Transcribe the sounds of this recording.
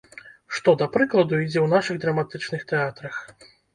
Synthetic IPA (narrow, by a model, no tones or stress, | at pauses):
ʂt̪ɔd̪ɐpɾɨklˠɐd̪uid͡zʲɛwn̪aʂɨɣd̪ɾɐmat̪ɨt͡ʂnɨxt̪ɛat̪ɾɐx